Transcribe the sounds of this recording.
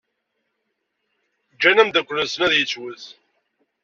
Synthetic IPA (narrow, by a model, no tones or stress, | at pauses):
d͡ʒːænæmd̪ækʷːləsənæðjət͡sːwəθ